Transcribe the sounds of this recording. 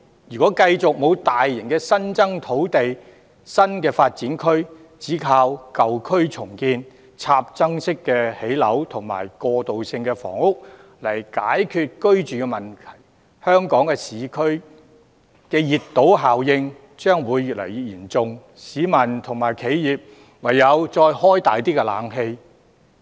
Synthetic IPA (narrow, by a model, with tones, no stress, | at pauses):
jyː˨kɔː˨˥kɐ˧jt͡sʊ˨k̚mo˨˧wt̪aː˨jːɪ˨˩ŋkɛ˧sɐ˥nt͡sɐ˥ŋt̪ʰo˨˥wt̪e˨j | sɐ˥nkɛː˧faː˧t̚t͡siː˨˥nkʰɵ˥ɥ | t͡siː˨˥kʰaː˧wkɐ˨wkʰɵ˥ɥt͡sʰʊ˨˩ŋkiː˧n | t͡sʰaː˧p̚t͡sɐ˥ŋsɪ˥kːɛː˧he˨˥jlɐ̰˨˥wt̪ʰʊ˨˩ŋma̰ː˨˩jkɔː˧t̪o˨wsɪ˧ŋkɛː˧fɔ̰ː˨˩ŋʊ˥k̚ | lɐ˨˩jkaː˨˥jkʰyː˧t̚kɵ˥ɥt͡ʃyː˨kɛ˧mɐ˨˩nt̪ʰɐ˨˩j | hœː˥ŋkɔː˨˥ŋkɛː˧siː˨˥kʰɵ˥ɥ | kɛː˧jiː˨˩t̚t̪ːo˨˥wɦaː˨˩wjɪ˧ŋ | t͡ʃœː˥ŋwuː˨˧jːyː˨t̚lɐ̰˨˩jiː˨t̚jiː˨˩nt͡sʊ˨˧ŋ | siː˨˥mɐ˨˩nt̪ʰʊ˨˩ŋmaː˨˩jkʰe˨˥jjiː˨p̚ | wɐ˨˩jːɐ˨˧wt͡sɔː˧jhɔː˥jt̪aː˨jt̪iː˥kɛ˧laː˨˥ŋɦe˧j